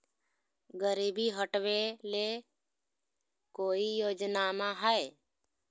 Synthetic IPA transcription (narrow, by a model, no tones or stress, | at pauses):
ɡəɾiːbiɦəʈʋele | koːijoːd͡ʒnamãɦəe